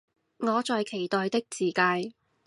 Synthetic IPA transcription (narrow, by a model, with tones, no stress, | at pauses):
ŋɔː˨˧t͡sɔː˨˧jkʰe˨˩jt̪ɔː˨jt̪ɪ˥k̚t͡siː˨˩kaː˧j